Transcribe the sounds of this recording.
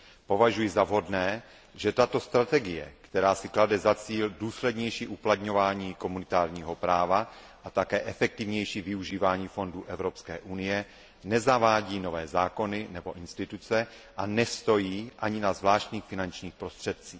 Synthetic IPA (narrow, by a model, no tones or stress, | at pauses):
po̞vaʒujɪzavɦo̞dnɛː | ʒɛt̪at̪o̞st̪ɾat̪ɛɡɪjɛ̰kt̪ɛɾaːsɪkladɛzat͡siːlduːslɛdɲɛjʃiːʔuplat̪ɲo̞vaːɲiːko̞munɪt̪aːɾɲiːɦo̞pɾaːva | ʔat̪akɛːʔɛfɛk̚t̪ɪvɲɛjʃivɪuʒiːvaːɲiːfo̞nduːʔɛvɾo̞pskɛ̰ːʔunɪjɛ | nɛzavaːɟiːno̞vɛːzaːko̞nɪnɛbo̞ʔɪnst̪ɪt̪ut͡sɛ | ʔanɛst̪o̞jiːʔaɲɪnazvlaːʃt̪ɲiːxfɪnant͡ʃɲiːxpɾo̞st̪r̥ɛt̪̚t͡siːx